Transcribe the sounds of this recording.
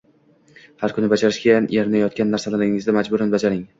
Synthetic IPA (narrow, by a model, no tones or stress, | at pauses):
haɾkʰʊnɪbad͡ʒaɾɪʃkʲajanjaɾɪnajɒt̪̚kʲanːaɾsalalaɪŋɪzd̪amad͡ʒbʊɾanbad͡ʒaɾɪŋ